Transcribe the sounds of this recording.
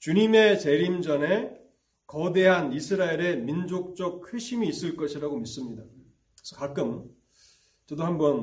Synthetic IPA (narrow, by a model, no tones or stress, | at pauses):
t͡ɕuɲime̞t͡ɕe̞ɾimd͡ʑʌne̞ | kʌde̞ɦanisʰɯɾaeɾe̞mind͡ʑok̚t͡ɕ͈ʌk̚kʰɯɕʰimiːs͈ɯɭk͈ʌɕʰiɾaɡomis͈ɯmɲida | kesʰʌkak͈ɯm | t͡ɕʌdohambʌn